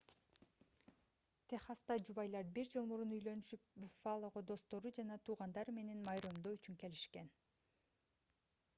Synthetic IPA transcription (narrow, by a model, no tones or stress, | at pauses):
t̪ʰeχɑst̪ɑd͡ʒuβɑjlˠɑɾbiɾd͡ʒɯlˠmuɾunujlønyʃypbyfalˠo̞ʁod̪o̞st̪o̞ɾud͡ʒɑnɑt̪ʰuːʁɑnd̪ɑɾme̞ne̞nmɑjɾomd̪oyt͡ʃyŋke̞liʃke̞n